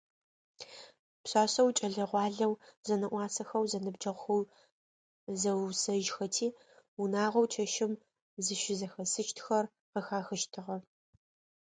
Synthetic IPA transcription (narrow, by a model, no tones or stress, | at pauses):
pɕaːɕɐwt͡ʃʼɐɮɐʁʷɑːɮɐwzɐnɐʔʷɑːsɐxɐwzɐnɨbd͡ʒɐʁxɐw | zɐwsɐʒxɐtʰiː | unaːʁɐwt͡ʃʰɐʃɪm | zɨʃʷɪzɐxɐsɨt͡ʃtʰxɐr | qəxaːxɨʃtʰɨʁɐ